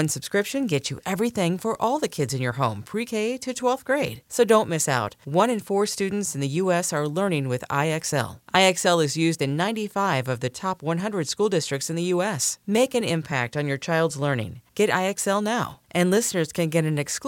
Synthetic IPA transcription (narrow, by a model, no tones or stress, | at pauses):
ʌ̃nsɨb̥skɹɪpʃɨ̃nɡɛt͡ʃɨ̰ʔɛvɹiθɪ̃ŋfə˞ʔɔlˠðɨkʰɪdzɨ̃njə˞ɦõʊ̃mpʰɹ̥ikʰeɪɾɨtʰw̥ɛlˠθɡ̥ɹeɪd̥soʊdõʊ̃nmɪsa̰ʊt̚wʌ̃ñɨ̃nfɔɹstʉdⁿn̩tsn̩ðɨjʉɛsə˞lɜ˞nɪ̃ŋwɨða̰ɪɛksɛ̰lˠʔaɪɛksɛlˠɨzjʉzdɨ̃nːãɪ̃ntifaɪvʌvðɨtʰɑpwʌ̃nɦʌ̃ndɹɨd̥skulˠdɪstɹ̥ɨk̚tsɨ̃n̩ðɨjuɛsmeɪkɨ̃nɪ̰̃mpʰæ̰k̚tn̩jə˞t͡ʃʰaɪlˠdzlɜ˞nɪ̰̃ŋɡ̥ɛɾa̰ɪɛksɛlˠnaʊʔɨ̃nlɪsnə˞z̥kʰɨ̃nɡɛɾɨ̃nɨksk